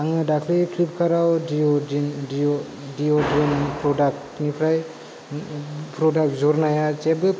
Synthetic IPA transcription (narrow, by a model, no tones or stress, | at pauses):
aŋɯdakʰlikʰlip̚kʰaɾawdioini | diodinpʰɾɔdak̚ | nipʰɾaj | pʰɾɔdak̚zɔɾnajat͡ʃebɯ